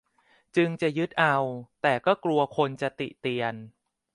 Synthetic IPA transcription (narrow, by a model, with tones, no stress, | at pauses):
t͡ɕɯ˧ŋt͡ɕa˨˩jɯ˦˥t̪̚ʔa˧wt̪ɛː˨˩kɔː˥˩klu˧ɐkʰo˧nt͡ɕa˨˩t̪ḭ˨˩t̪i˧ən